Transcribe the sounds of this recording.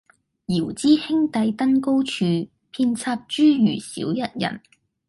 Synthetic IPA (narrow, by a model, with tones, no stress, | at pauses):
jiː˨˩wt͡siː˥hɪ˥ŋt̪ɐ˨˥jt̪ɐ˥nko˥wt͡ʃʰyː˨˧ | pʰiː˧nt͡sʰaː˧p̚t͡ʃyː˥jyː˨˩sḭː˨˥wjɐ˥t̚jɐ̰˨˩n